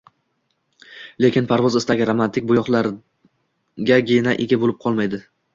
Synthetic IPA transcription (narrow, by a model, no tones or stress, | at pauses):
le̞kʲɪnpʰaɾvɒzɪst̪aɡʲɪɾamant̪ɪk̚ʲbʊjɒχlˠaɾ | ɡʲaɡʲenaʔeɡʲabolɪp̚qʰɒlˠmajd̪ɪ